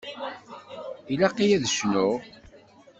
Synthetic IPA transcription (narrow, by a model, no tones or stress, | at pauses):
ilæqːijæðʃnʊ